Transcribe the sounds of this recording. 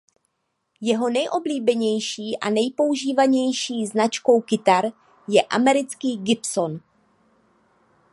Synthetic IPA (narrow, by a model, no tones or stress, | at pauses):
jɛɦo̞nɛjʔo̞bliːbɛɲɛjʃiːʔa̰nɛjpo̞uʒiːvaɲɛjʃiːznat͡ʃko̞wkɪt̪aɾ | jɛʔa̰mɛɾɪt͡skiːɡɪpso̞n